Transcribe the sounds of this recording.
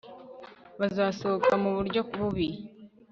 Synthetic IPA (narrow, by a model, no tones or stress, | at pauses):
βazaːso̞okamuβuɾɟo̞kuβuβi